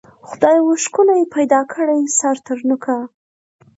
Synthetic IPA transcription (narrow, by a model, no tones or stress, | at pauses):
xʊd̪ɑjwoʃkʊlajepajd̪ɑkʰəɽajsaɾt̪əɾnʊkʰa